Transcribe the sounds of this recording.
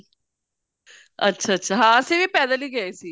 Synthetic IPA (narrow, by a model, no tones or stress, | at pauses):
ə̰tːʃʰaːətːʃʰaːɦãəsiːʋiːpɛːd̪aliːɡəeːsiː